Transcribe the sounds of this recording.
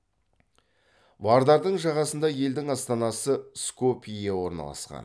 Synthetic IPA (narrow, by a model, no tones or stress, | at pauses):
vɑɾd̪ɑɾd̪əɴʒɑʁɑsənd̪ɑje̞ld̪ɪŋɑst̪ɑnɑsəskopijewo̞ɾnɑ̰lˠɑ̰sqɑ̰n